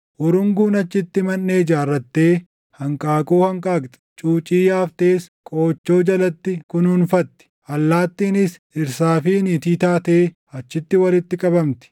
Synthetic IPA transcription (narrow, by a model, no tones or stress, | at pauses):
ʔɔɾʊŋɡuːnɐt͡ʃːɪt̪ːɪmɐnːeːd͡ʒaːrːɐt̪ːe̞ː | hɐŋkʼaːkʼuːhɐŋkʼaːkt̪ʼɛ̥t͡ʃʼuːt͡ʃʼiːjaːft̪e̞ːskʼo̞ːt͡ʃːo̞ːd͡ʒɐlɐt̪ːɪkʊnhʊnfɐt̪ːɪ̥ʔɐlːaːt̪ːiːnɪs | ɪɾsaːfiːniːt̪iːt̪aːt̪eeː | ɐt͡ʃːɪt̪ːɪwɐlɪt̪ːɪkʼɐbɐmt̪ɪ̥